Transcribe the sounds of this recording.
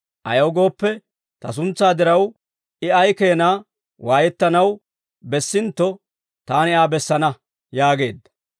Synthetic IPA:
ʔɐ̰jɐwɡo̞ːpːɛ | t̪ɐs̬ʊnt͡sːaːd̪ɪɾɐw | ɪɐjke̞ːnaː | waːjɛt̪ːɐnɐw | bɛsːɪnt̪ːɔ | t̪aːnɪaːbɛsːɐnɐ | jaːɡe̞ːd̪ːɐ̥

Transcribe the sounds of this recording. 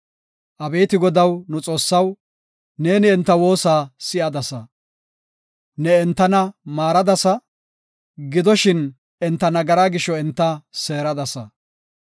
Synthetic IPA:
ʔɐbeːt̪ɪɡɔd̪ɐwnʊt͡sʼo̞ːsːɐw | ne̞ːnɪɛnt̪ːɐwo̞ːsaːsɪʔɐd̪ɐsɐ | nɛɛnt̪ːɐnɐmaːɾɐd̪ɐsɐ | ɡɪd̪ɔʃɪn | ɛnt̪ːɐnɐɡɐɾaːɡɪʃːɔɛnt̪ːɐse̞ːɾɐd̪ɐsɐ

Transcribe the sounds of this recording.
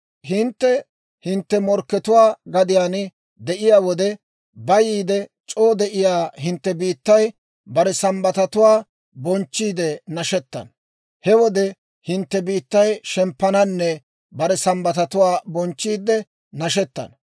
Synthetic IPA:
ɦɪnt̪ːɛ | hɪnt̪ːɛmɔɾkːɛt̪ʊwaːɡɐd̪ɪjaːnɪ | d̪ɛʔɪjaːwɔd̪ɛ | bɐjiːd̪ɛt͡ʃʼoːd̪ɛʔɪjaːɦɪnt̪ːɛbiːt̪ːɐj | bɐɾɛsɐmbɐt̪ɐt̪ʊwaː | bɔnt͡ʃːiːd̪ɛnɐʃɛt̪ːɐ̰n | hɛwɔd̪ɛ | hɪnt̪ːɛbiːt̪ːɐjʃɛmpːɐnɐnːɛ | bɐɾɛsɐmbɐt̪ɐt̪ʊwaːbɔnt͡ʃːiːd̪ɛ | nɐʃɛt̪ːɐ̰n

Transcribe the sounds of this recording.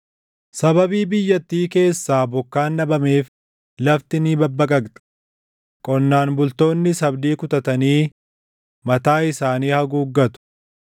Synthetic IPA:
sɐbɐbiːbɪjːɐt̪ːiːke̞ːsːaːbɔkːaːnːɐbɐme̞ːf | lɐft̪ɪniːbɐbːɐkʼɐkt̪ʼɐ̥ | kʼɔnːaːnbʊlt̪o̞ːnːɪsɐbd̪iːkʊt̪ɐt̪ɐniː | mɐt̪aːɪsaːniːhɐɡuːɡːɐt̪ʊ̥

